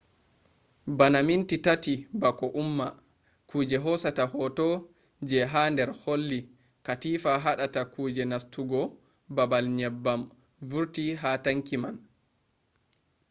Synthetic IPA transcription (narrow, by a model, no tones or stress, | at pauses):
banamintitatibakɔʔumːa | kʰuːd͡ʒɛɦɔsatahɔtɔ | d͡ʒɛɦandɛɾholːi | katiːfaɦaɗatakuːd͡ʒɛnastʰuɡɔ | babalɲɛbːam | vuɾtiɦataŋkiman